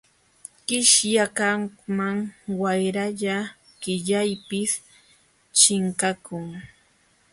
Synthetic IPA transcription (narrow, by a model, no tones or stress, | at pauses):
kɪʃjakamaŋwajɾaʎa | ɢ̥ɪʎajpɪs | t͡ʃɪŋkakʊŋ